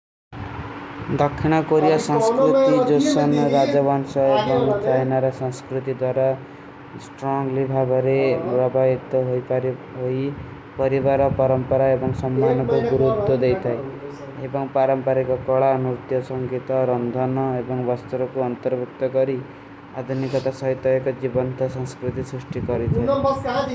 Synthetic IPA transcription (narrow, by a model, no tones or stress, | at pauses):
d̪ʌkʰːiɽ̃ʌkoɾijasãŋskɾut̪id͡zosɔnɾad͡zabansʌebɔŋt͡ʃajnaɾʌsaŋskɾut̪id̪waɾa | sʈrɔŋlibʱabaɾebrʌbʱajit̪ɔɦojpɾ | ɦoj | pʌɾibaɾɔpʌɾʌmpʌɾaebɔŋsʌmːanɔkoɡuɾut̪ːod̪ejt̪ʰaj | ebʌŋpaɾʌmpʌɾekɔkɔɭanut̪jɔsʌŋɡit̪ɔɾʌnd̪ʱʌnʌebɔŋbast̪uɾɔkuʌnt̪ʌɾbʱuk̚t̪ɔkʌɾi | ad̪ʱunikɔt̪asʌɦit̪ɔjkɔd͡ʒibʌnt̪ɔsɔ̃ŋskɾit̪isɾisʈikʌɾit̪ʰa